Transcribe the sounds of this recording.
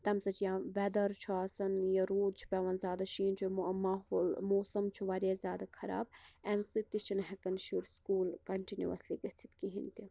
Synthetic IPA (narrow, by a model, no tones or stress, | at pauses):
t̪ɐmsɐt͡ʃjãːʋɛd̪ɐɾt͡ʃʰuaːsɐnjɐɾoːd̪̚t͡ʃʰu̥pʲɐʋɐnzʲjaːd̪aʃiːnt͡ʃʰumaɦolmoːsɐmt͡ʃʰuʋɐɾjazʲjaːd̪akʰɐɾa̰ːb̚ɛmsɨt̪it͡ʃʰinɦɛkɐnʃuɾskuːlkɐɳʈinʲiʋɐ̰sliɡɐsʰit̪kiɦḭnt̪i